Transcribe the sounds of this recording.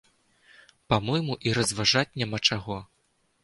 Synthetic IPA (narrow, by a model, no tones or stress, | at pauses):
pamɔjmuʔiɾɐzvaʐat͡sʲnʲamat͡ʂaɣɔ